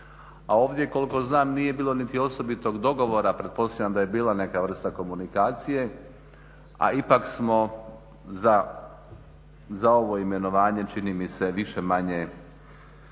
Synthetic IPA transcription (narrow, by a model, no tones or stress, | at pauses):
ao̞ːʋd̪je̞ko̞liko̞znaːmnije̞biːlˠo̞nit̪io̞so̞bit̪o̞ɡd̪o̞ɡo̞ʋo̞ːɾapɾe̞t̪̚po̞st̪aʋʲjʲamd̪aje̞biːlˠane̞kaʋr̩st̪ako̞munikaːt̪sije̞ | a̰ipaksmo̞ | a | zao̞ʋo̞ime̞no̞ʋaːɲe̞t͡ʃinimise̞ʋiʃemaɲe